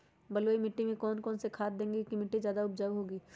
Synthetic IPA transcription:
bɐlwoːimɪʈːimẽkɔːnkɔːnsekʰaːt̪̚d̪ẽːŋɡekimɪʈːizjaːd̪aʊp̚d͡ʒaːwɦoːɡiː

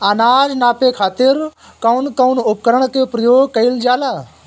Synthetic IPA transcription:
anaːd͡ʒnaːpekʰaːt̪ɪɾ | kɐwnkɐʊnʊpkəɾəɳ̃kepɾəjoːɡkɐɪld͡ʒaːlaː

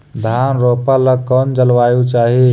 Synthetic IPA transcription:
d̪ʱanɾopaləkɔnd͡ʒəlʋajut͡ʃaɦi

